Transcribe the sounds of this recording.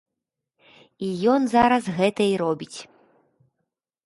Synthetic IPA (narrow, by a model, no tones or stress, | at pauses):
ijɔnzaɾɐsɣɛt̪ɐiɾɔbʲit͡sʲ